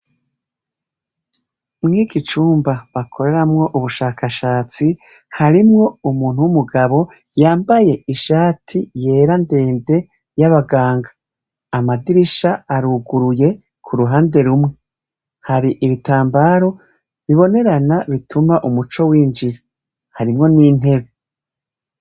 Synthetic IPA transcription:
mŋiːɡit͡ʃuːmbaβakʰo̞ɾe̞ɾamŋo̞ʔuβuʃaːkaʃaːt͡si | haɾimŋo̞umuːn̥huwumuɡaβo̞ | jaːmbaje̞iʃaːtʰije̞ːɾande̞ːnde̞ | jaβaɡaːŋɡḁː | madiɾiʃaaɾuɡuɾuje̞ | kʰuɾuɦaːnde̞ɾumŋe | haɾiʔiβitaːmbaːɾo̞ | βiβo̞ne̞ɾanaβitumaʔumut͡ʃo̞wiːnd͡ʒiɾa | haɾimŋo̞niːn̥he̞βe

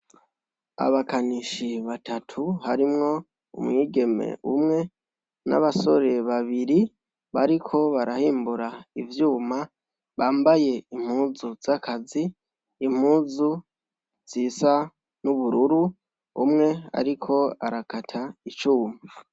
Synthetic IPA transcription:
a̰βakaniʃiβatʰatʰuhaɾimŋo̞ | ṵmŋiːɡe̞me̞̰umŋe̞ | na̰βaso̞ɾe̞βaβiɾi | βaɾikʰo̞βaɾahiːmbuɾaivjuːma | βaːmbaje̞im̥huːzuz̥akʰaziː | m̥huːzu | z̥iːsa | nuβuɾuɾu | ṵmŋe̞a̰ɾikʰo̞a̰ɾakatʰait͡ʃuːmaa

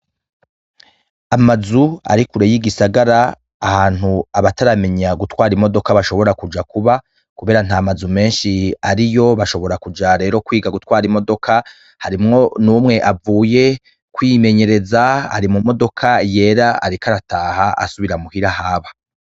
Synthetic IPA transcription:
amazua̰ɾikuɾejiɡisaɡaɾaː | haːn̥huaβataɾame̞ɲaɡutwaːɾimo̞do̞kaβaʃo̞βo̞ɾakud͡ʒakuβa | kuβe̞ːɾanhaːmazume̞ːnʃiaɾijo̞βaʃo̞βo̞ɾakud͡ʒaɾe̞ːɾo̞kwiːɡaɡutwaːɾimo̞do̞kʰa | haɾimŋo̞numŋe̞ʔavuːje̞ | kwime̞ɲe̞ɾe̞zaa̰ɾimumo̞do̞kʰaje̞ːɾaa̰ɾikaɾataːhaa̰suβiɾamuhiɾahaːβa

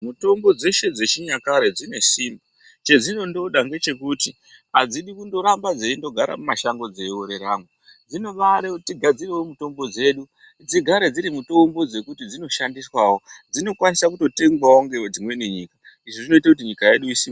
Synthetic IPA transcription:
muto̞mbo̞d͡ze̞ʃe̞d͡ze̞t͡ʃiɲakaɾed͡zine̞sima | t͡ʃe̞d͡zino̞ndo̞ɗaŋɡe̞t͡ʃe̞kuti | ad͡ziɗikundo̞ɾambad͡zeindo̞ɡʱaɾa̰mumaʃaŋɡo̞d͡zewoɾe̞ɾamu | d͡zino̞ʋaɾetiɡʱad͡zirewomuto̞mbo̞d͡ze̞ːɗu | d͡ziɡʱaɾed͡ziɾimuto̞mbo̞d͡ze̞kutid͡zino̞ʃandiswawo̞d͡zino̞kwanisakuto̞te̞ŋɡwawoŋɡe̞wed͡zimwe̞neɲiːka | iʐoʐino̞it̬akut̬iɲikaje̞ɗuisiːmba

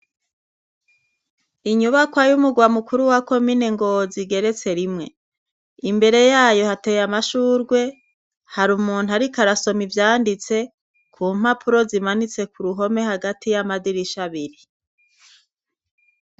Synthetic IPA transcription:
iɲuβakwajumuɡwamukuɾuwako̞mineŋɡo̞ziɡe̞ɾe̞t͡se̞ɾimŋe̞ | imbe̞ɾe̞jaːjo̞hatejamaʃuːɾɡwe̞ | haɾumuːn̥uaɾikaɾaso̞mivjaːndit͡se̞ | kʰuːm̥apʰuɾo̞zimanit͡se̞kuɾuɦo̞me̞haɡatʰijamadiɾiʃaβiɾi

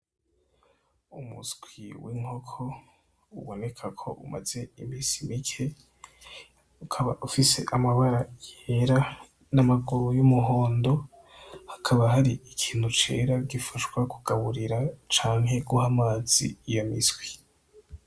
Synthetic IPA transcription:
umṵsɡ̥wiwiŋ̥o̞kʰo̞ | ṵβo̞ne̞kʰakʰo̞̰ʔṵma̰ze̞imiːsimikʰe̞ | ukʰaβa̰ʔufise̞ʔamaβaɾajeɾa | namaɡuɾujumuɦo̞ːndo̞ | hakʰaβaɦaɾiikʰiːn̥hut͡ʃe̞̰ːɾaɡifaʃwakuɡ̥aβuɾiɾat͡ʃaːŋhe̞ɡuhamaːz̥ḭjamisɡwi

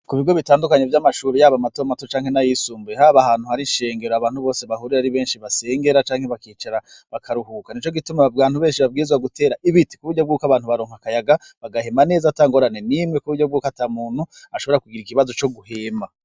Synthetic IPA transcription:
kuβiɡo̞βitaːndukaɲevjamaʃuːɾijaːβamatoamatot͡ʃaːŋhe̞najisuːmbuɾehaːβahaːn̥huhaɾinʃe̞ːŋɡe̞ɾoaβaːnhuβo̞ːse̞βahuɾiɾaɾiβe̞ːnʃiβase̞ːŋɡe̞ɾat͡ʃaːŋ̥he̞βakiːt͡ʃaɾa | βakʰaɾuɦukanit͡ʃo̞ɡitumaaːn̥uβe̞ːnʃiβab̚ɡiːzɡwaɡutʰe̞ːɾaʔiβiti̥kuβuɾɟob̚ɡuːkaβaːnhuβaɾoːŋhakajaɡa | βaɡahe̞mane̞ːzataːŋɡo̞ɾane̞nimŋe̞kuβuɾɟo̞b̚ɡuːkataːmuːn̥hu | aʃo̞βo̞ɾakuɡiɾikiβazo̞t͡ʃo̞ɡuhe̞ma

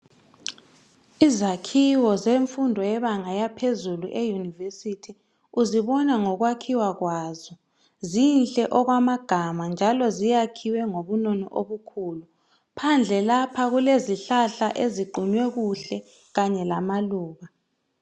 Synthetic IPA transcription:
izakʰiwɔzeɱfundʱɔjɛβaŋajapʰezuluʔejunivesitʰi | uziɓɔnaŋɔkwakʰiwak̬waːzɔ | zinɬʼɛʔɔk̬wamaɡ̥ʱamand͡ʒʱalɔzijakʰiwɛŋoβunɔnɔ̰ʔoβukʰuːlu | pʰand͡ɮʱɛlapʰaɣ̬uleziɬaɬaʔeziɡ͡ǃʱuɲwɛɣ̬uɬɛ | ɣaɲɛlamaluːɣa

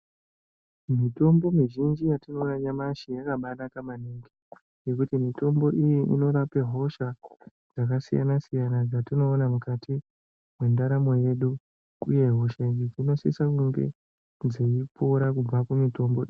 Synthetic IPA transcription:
mito̞mbo̞miʒind͡ʒijatino̞naɲamaʃijakaɓanakamaneŋɡii | jekutimito̞mbo̞ʔijiʔḭno̞rape̞ɦo̞ʃa | d͡zakasija̰nasijanad͡zatino̞ːnamukatʰi | mwe̞ndaɾamo̞je̞ɗu | ṵje̞ɦoʃeɲid͡zino̞sḭsakuŋɡe̞̰ | d͡zeipoɾakub͡vakumito̞mboi

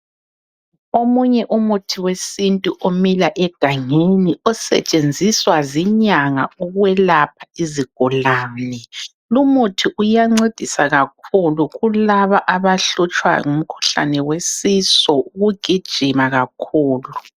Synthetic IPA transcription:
omuɲɛʔumutʰiwesintʼuʔomilaʔɛɡ̥ʱaŋeniɔsɛ̰t͡ʃʼend͡zʱiswaziɲaŋa̰uɣwɛlapʰaiziɡ̥ʱulaːnɛ | lumutʰiʔujaŋ͡ǀed̥ʱisaɣakʰuluɣulaβaʔaβaɬut͡ʃʼwa̰ŋum̩kʰu̥ɬa̰nɛwesisɔuɣuɡ̥ʱid̥ʒ̥ʱimaɣakʰuːlu

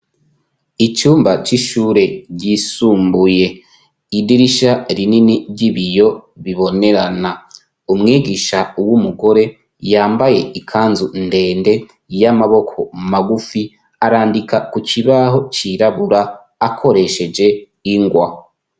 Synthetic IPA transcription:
it͡ʃuːmbat͡ʃiʃuːɾe̞ɟisuːmbuje̞ | idiɾiʃaɾininiɾɟiβijo̞βiβo̞ne̞ɾana | umŋiːɡiʃauwumuɡo̞ɾe̞ | jaːmbaje̞ikʰaːnzunde̞ːnde̞ | jamaβo̞kʰo̞maɡufi | aɾaːndikʰakucʰiβaɦo̞t͡ʃiɾaβuɾaː | kʰo̞ɾe̞ʃe̞d͡ʒe̞ | iŋɡwa̰

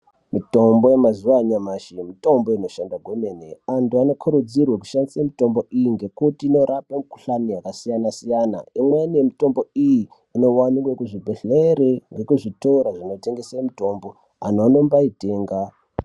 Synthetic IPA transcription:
mito̞mbojemazuwaɲamaʃimito̞mbo̞ino̞ʃandwaɡʱweme̞neantuano̞kʰuɾud͡zirwak̬u̥ʃandisamito̞mbo̞ʔijiŋɡe̞kutiːno̞ɾapamuku̥ɬanijakasijanasijana̰imweneemito̞mbo̞ijiː | no̞wanikwekuʐibʱeɬeɾeŋɡe̞kuʐitoɾaʐino̞te̞ŋɡesamito̞mbo̞ | a̰n̤oano̞mbaiteːŋɡa

